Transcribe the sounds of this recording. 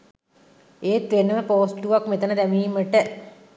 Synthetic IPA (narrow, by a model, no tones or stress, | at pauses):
eːt̪ʋenːəʋəpoːsʈuʋakmet̪ənəd̪æmiːməʈə